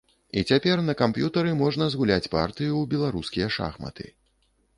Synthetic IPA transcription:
ḭt͡sʲapʲɛrnɐkampjut̪ɐɾɨmɔʐnɐzɣulʲat͡sʲpa̰rt̪ɨjubʲɛlˠaɾuskʲijɛʂa̰xmɐ̰t̪ɨ̰

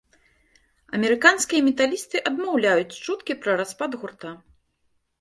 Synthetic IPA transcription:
ɐ̰mʲɛɾɨkanskʲijɐmʲɛt̪alʲist̪ɨʔɐd̪mawlʲajut͡sʲt͡ʂut̪kʲipɾɐɾaspad̪ɣurt̪a

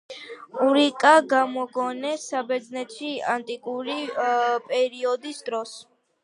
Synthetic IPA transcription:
uɾikʼaɡamɔɡɔnɛsabɛɾd̪znɛt̪ʃiant̪ʼikʼuɾipʼɛɾiɔd̪isd̪ɾɔs

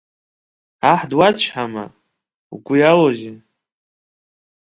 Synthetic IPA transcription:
aħdwat͡ɕʷʰħama̰ | ukʷʊjaloʒi

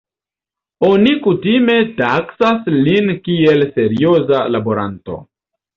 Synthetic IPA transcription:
o̞nikutime̞taksaslinkie̞lse̞ɾio̞zalaboɾa̰nto̞̰

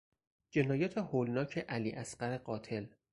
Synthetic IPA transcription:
d͡ʒe̞nɒːjæːt̪ʰehoːlnɒːcʰeʔæliːʔæsɢæɾe̞ɢɒːt̪ʰe̞l

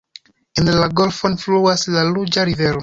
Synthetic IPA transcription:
inlaɡolfonfluaslalud͡ʒaɾivelo

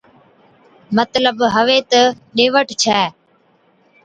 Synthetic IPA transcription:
mət̪ləbɦəʋeːt̪ə | ɗeːʋəʈt͡ʃʰɛː

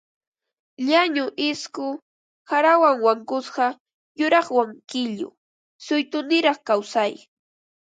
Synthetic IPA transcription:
ʎaɲʊʔɪskʊ | haɾawaŋwaŋkʊsɢɑ | jʊɾɑχwaŋkɪʎʊ̰ | sʊjt̪ʊnɪɾɑχkawsaj

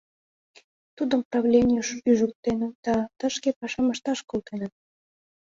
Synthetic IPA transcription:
t̪ud̪əmprɑβlʲenʲijəʃpyʒək̚t̪enəd̪̥ɑt̪əʃkepɑʃɑmɑʃt̪ɑʃkolt̪enət̪̚

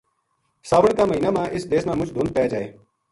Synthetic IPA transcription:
saːʋəɳkaːməɦiːnaːmãːʔɪsd̪eːsmãːmʊt͡ʃd̪ʱõːnpəjaːd͡ʒaːḛː

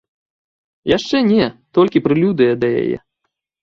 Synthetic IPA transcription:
jaʂt͡ʂɛnʲɛt̪ɔlʲkʲipɾɨlʲud̪ɨjɐd̪ɐja̰jɛ̰

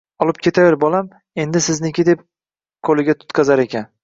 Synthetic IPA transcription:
ɒlˠɪp̚kʲʰe̞t̪ʰaveɾbɒlam | e̞nd̪ɪsɪznɪkʲʰɪd̪e̞p̚ | kʰolɪɡʲat̪ʰʊ̥t̪kʰazaɾe̞kʲʰan

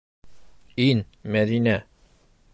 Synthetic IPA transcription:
in | mɛd̪inɛ

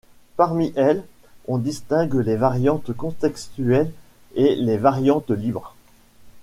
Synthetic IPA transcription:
paʁmiʔɛl | ɔ̃d̪ist̪ɛ̃ɡlevaʁjɑ̃t̪kɔ̃t̪ɛkst̪yɛl | elevaʁjɑ̃t̪libʁ

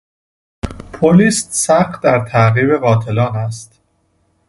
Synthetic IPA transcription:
pʰoliːst̪sæxt̪d̪æɾt̪ʰæɣiːbe̞ɣɒːt̪ʰe̞lɒːnæst̪

